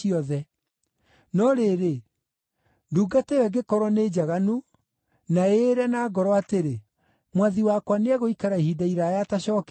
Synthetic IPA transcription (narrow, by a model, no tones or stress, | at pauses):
iɔðɛ | nɔɾeɾe | duːɡatewɛɡekɔɾwɔneːd͡ʑaɣanu | naeɾɛnaːɡɔɾɔateɾe | mwaðiwakwaneaɣoikaɾaihidaiɾajataɕɔːk